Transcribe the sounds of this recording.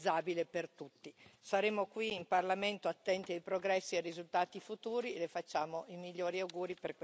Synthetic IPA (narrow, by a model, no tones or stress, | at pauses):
aːbilepert̪ut̪ːisaɾeːmokwiːmparlament̪oat̪ːɛnt̪iajpɾoɡɾɛsːierizult̪aːt̪ifut̪uːɾielefat͡ʃːaːmoʔimiʎːoːɾiawɡuːɾiperk